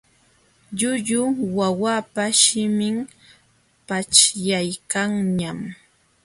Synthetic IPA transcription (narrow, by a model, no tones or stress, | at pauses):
ʎʊʎʊwawapaʃɪmɪŋ | pat͡ʃjajkaŋɲam